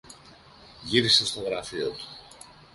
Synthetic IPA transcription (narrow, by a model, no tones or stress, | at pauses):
ʝiɾisest̪o̞ɣɾɐfio̞t̪u̥